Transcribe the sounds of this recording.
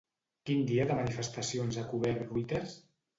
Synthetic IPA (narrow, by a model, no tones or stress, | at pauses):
kind̪iaðəmanifəst̪əsionzakuβɛɾruit̪eɾs